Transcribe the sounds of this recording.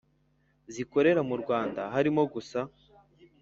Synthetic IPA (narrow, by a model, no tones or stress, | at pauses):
ziko̞ɾe̞ɾamuɾɡwaːnda̰ɦaɾimo̞ɡusa